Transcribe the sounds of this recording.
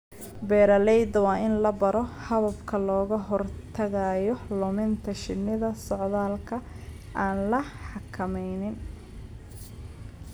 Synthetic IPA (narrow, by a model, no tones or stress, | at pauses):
bɛːɾɐlɛjd̪ɐwɑːɪnlɐbɐɾɔhɐβɐbkʰɐlɔːɣɐɦɔrt̪ʰɐɣajɔlʊmɪnt̪ʰɐʃɪnːɪðɐsɔʕðaːlkʰɐ | ʔaːnlɐħɑkʰɐmɛjnɪn